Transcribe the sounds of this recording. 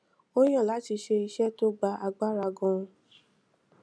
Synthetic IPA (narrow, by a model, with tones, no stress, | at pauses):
o˦j̃ã˦˨la˨˦ti˧˦ʃe˧i˧ʃɛ˦to˦ɡ͡ba˧˦ʔa˧ɡ͡ba˦ɾa˧ɡɔ̃˧